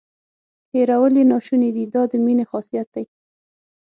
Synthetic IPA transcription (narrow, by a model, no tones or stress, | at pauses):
heɾawəlinɑʃuned̪id̪ɑd̪əminexɑsijat̪̚d̪aj